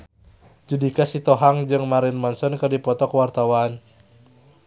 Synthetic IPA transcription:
d͡ʒudikasit̪ɔɦaŋd͡ʒɨŋmaɾɪnmansɔnkɨrdipɔt̪ɔkwart̪awan

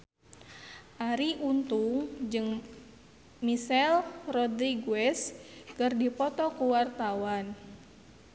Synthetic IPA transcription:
ʔaɾiʔunt̪uŋd͡ʒɨŋ | misɛlrɔd̪ɾiɡuɛskərdipɔt̪ɔkuwart̪awan

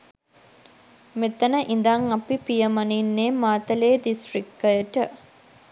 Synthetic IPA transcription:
met̪ənəʔind̪aŋapipijəmaninːeːmaːt̪əleːdisʈrik̚ʈːəjəʈə

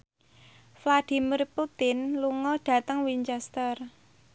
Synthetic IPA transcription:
flad̪̥i̤murput̪ɪnluŋɔɖ̥a̤t̪əŋwiɲt͡ʃɛst̪ər

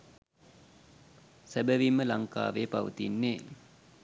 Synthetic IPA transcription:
sæbəʋimːəlaŋka̰ːʋeːpa̰ʋə̰t̪inːeː

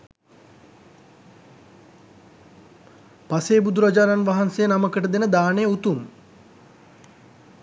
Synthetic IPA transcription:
paseːbud̪uɾad͡ʒaːnanʋaɦansejənaməkəʈəd̪enəd̪aːnejut̪um

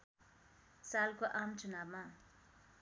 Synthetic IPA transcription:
salkoʔamt͡sunabma

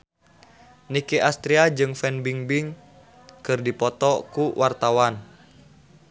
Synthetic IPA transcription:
nikeʔast̪ɾiad͡ʒɨŋfɛnbiŋbiŋ | kɨrdipɔt̪ɔkuwʔart̪awan

